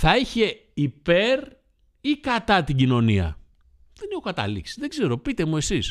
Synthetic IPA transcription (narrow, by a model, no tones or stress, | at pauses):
θɐiçe̞ | ipe̞ɾ | ikɐt̪ɐt̪iɟino̞niɐ̰ | ðe̞nexo̞kɐt̪ɐ̰lḭksi̥zðe̞ɡze̞ɾo̞pit̪e̞muesis